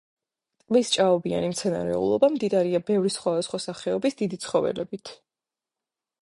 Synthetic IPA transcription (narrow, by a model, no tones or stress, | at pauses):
t̪ʼmist͡ʃʼaɔbia̰nimt̪sʰɛna̰ɾɛ̰ṵlˠɔ̰bamd̪id̪aɾiabɛvɾisχwad̪asχwasaχɛɔbisd̪id̪it̪sʰχɔvɛ̰lɛ̰bit̪ʰ